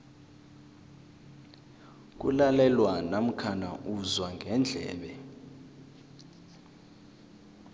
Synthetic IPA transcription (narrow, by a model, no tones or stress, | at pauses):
k̬ʼṵlalɛlwanam̩kʰana̰ʔuzwaŋʱɛnd͡ɮʱɛ̰ːɓɛ